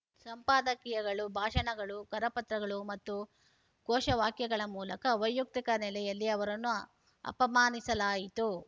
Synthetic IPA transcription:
sɐmpaːd̪ɐkijɐɡɐɭubʱaːʂɐɳɐɡɐɭukɐɾɐpɐt̪ɾɐɡɐɭumɐt̪ːu | kɔːʃɐʋaːkjɐɡɐɭɐmuːlɐkɐʋɐjːuk̚t̪ikɐnɛlɛjɐlːiɐʋɐɾɐnːu | ɐ̰pɐmaːnisɐlaːjit̪u

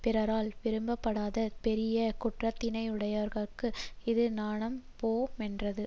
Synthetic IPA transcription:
pɪɾɐɾaːlʋɪɾɯmbɐpːɐɽaːðɐpɛɾɪjɐkʊʈrɐt̪ːɪnɐɪɯɽɐjɐʋɐɾɣɐɭkɯɪðɯnaːɳɐmpoːmɛndrɐðɯ

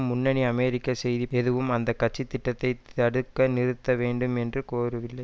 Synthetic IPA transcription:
mːʊnːɐɳiɐmɛːɾɪkːɐsɛjðiɛðɯʋɯmɐnd̪ɐkːɐʈ̚t͡ʃːit̪ːɪʈːɐt̪ːɐɪt̪ɐɽɯkːɐnɪɾɯt̪ːɐʋeːɳɖɯmɛndrɯkoːrɯʋɪlːɐɪ

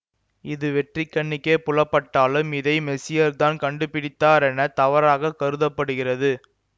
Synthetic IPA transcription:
ɪðɯʋɛʈrɪkːɐɳːɪkːeːpʊlɐpːɐʈːaːlɯmɪðɐɪmɛsɪjɐɾt̪aːnkɐɳɖɯpɪɽɪt̪ːaːɾɛnɐt̪ɐʋɐɾaːɣɐkɐɾɯðɐpːɐɽɯɣɪrɐðɯ

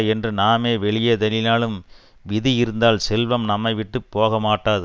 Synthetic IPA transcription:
ɛndrɯnaːmeːʋɛɭɪjɐd̪ɐlɪnaːɭɯm | ʋɪðijɪɾɯnd̪aːlsɛlʋɐmnɐmːɐɪʋɪʈːɯpːoːɣɐmaːʈːaːðɯ

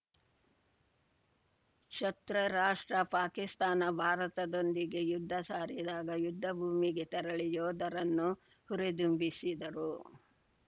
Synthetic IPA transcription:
ʃɐt̪ɾɐɾaːʂʈɾɐpaːkist̪aːnɐbʱaːɾɐt̪ɐd̪o̞nd̪iɡe̞jud̪ʱːɐsaːɾid̪aːɡɐjud̪ʱːɐbʱuːmiɡet̪ɐɾɐɭijoːd̪ɐɾɐnːu | huɾed̪umbisid̪ɐɾu

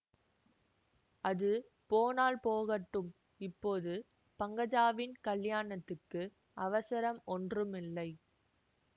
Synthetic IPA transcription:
ɐðɯ | poːnaːlpoːɣɐʈːɯm | ɪpːoːðɯ | pɐŋɡɐd͡ʒaːʋɪnkɐɭjaːɳɐt̪ːɯkːɯ | ʔɐʋɐsɐɾɐmɔndrɯmɪlːɐɪ

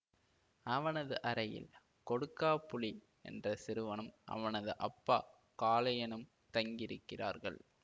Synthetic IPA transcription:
ɐʋɐnɐðɯʔɐɾɐjɪ̰l | kɔɽɯkːaːpːʊɭi | ɛ̰ndrɐsɪɾɯʋɐnɯmʔɐ̰ʋɐnɐðɯʔɐpːaː | kaːlɐjɐnɯm | t̪ɐŋɡɪɾɯkːɪra̰ːɾɣɐ̰ɭ

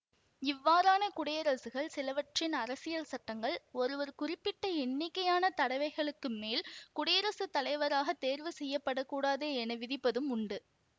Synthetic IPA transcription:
ɪʋːaːɾaːnɐkʊɽɐjɐɾɐsɯɣɐɭsɪlɐʋɐʈrɪnɐɾɐsɪjɐlsɐʈːɐŋɡɐɭɔɾɯʋɐɾkʊrɪpːɪʈːɐɛnːɪkːɐjaːnɐt̪ɐɽɐɪʋɐɪɣɐɭɯkːɯmːeːlkʊɽɐjɐɾɐsɯt̪ːɐlɐɪʋɐɾaːɣɐt̪ːeːɾʋɯsɛjːɐpːɐɽɐkːuːɽaːðeːɛnɐʋɪðɪpːɐðɯmʊɳɖɯ

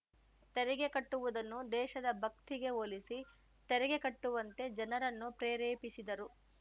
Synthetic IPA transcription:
t̪ɛɾɛɡe̞kɐʈːuʋud̪ɐnːud̪ɛːʃɐd̪ɐbʱɐk̚t̪iɡe̞oːlisi | t̪ɛɾɛɡe̞kɐʈːuʋɐnt̪e̞d͡ʒɐnɐɾɐnːupɾeːɾeːpisid̪ɐɾu

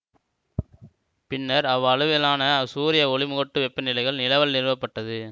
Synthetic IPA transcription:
pɪnːɐɾɐʋɐɻɯʋɪlaːnɐsuːɾɪjɐɔɭɪmʊɣɐʈːɯʋɛpːɐnɪlɐɪɣɐɭnɪlɐʋɐlnɪɾɯʋɐpːɐʈːɐðɯ

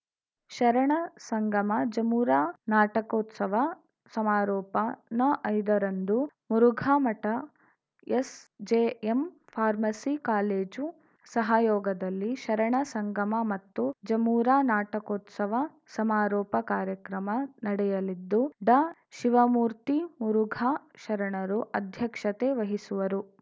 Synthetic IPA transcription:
ʃɐɾɐɳɐsɐŋɡɐmɐd͡ʒɐmuːɾaːnaːʈɐkoːt̪sɐʋɐ | sɐmaːɾɔːpɐnɐʔɐjd̪ɐɾɐnd̪umuɾuɡʱaːmɐʈɐ | esd͡ʒeːem | pʰaːɾmɐsikaːleːd͡ʒu | sɐɦaːjɔːɡɐd̪ɐlːiʃɐɾɐɳɐsɐŋɡɐmɐmɐt̪ːud͡ʒɐmuːɾaːnaːʈɐkoːt̪sɐʋɐ | sɐmaːɾɔːpɐkaːɾjɐkɾɐmɐnɐɽɛjɐlid̪ːuɖaʃiʋɐmuːɾt̪imuɾuɡʱaːʃɐɾɐɳɐɾuʔɐd̪ʱjɐkʂɐt̪eʋɐɦisuʋɐɾu

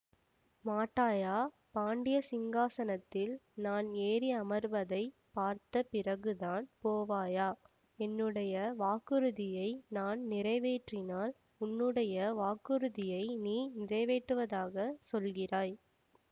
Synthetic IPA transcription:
maːʈːaːjaː | paːɳɖɪjɐsɪŋɡaːsɐnɐt̪ːɪlnaːneːɾiɐmɐɾʋɐðɐɪpaːɾt̪ɐpɪrɐɣɯðaːnpoːʋaːjaː | ɛnːɯɽɐjɐʋaːkɯɾɯðɪjɐɪnaːnnɪɾɐɪʋeːʈrɪnaːl | ʊnːɯɽɐjɐʋaːkɯɾɯðɪjɐɪniːnɪrɐɪʋeːʈːɯʋɐðaːɣɐsɔlɣɪraːj

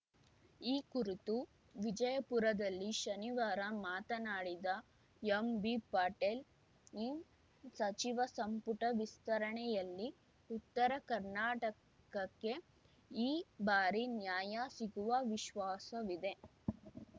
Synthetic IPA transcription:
iːkuɾit̪u | ʋid͡ʒɐjɐpuɾɐd̪ɐlːiʃɐniʋaːɾɐmaːt̪ɐnaːɽid̪ɐ | jembipaːʈel | i | sɐt͡ʃiʋɐsɐmpuʈɐʋist̪ɐɾɐɳɛjɐlːi | ut̪ːɐɾɐkɐɾnaːʈɐ | kɐkːe̞ | iːbaːɾinjaːjasiɡuʋɐʋiʃʋaːsɐʋid̪e̞

